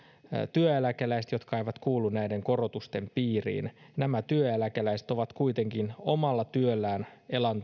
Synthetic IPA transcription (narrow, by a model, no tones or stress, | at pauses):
t̪yøjælækelæis̬et̪jo̞t̪kɑeijʋɑt̪kuːlːunnæideŋko̞rot̪ust̪e̞mpiːrḭːnnæmæt̪yøjælækelæiset̪o̞ʋɑt̪kuit̪e̞ŋkino̞mɑlːɑt̪yølːæːnelɑnt̪